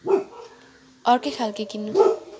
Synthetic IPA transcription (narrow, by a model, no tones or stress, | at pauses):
ɔɹkekʰalkekinu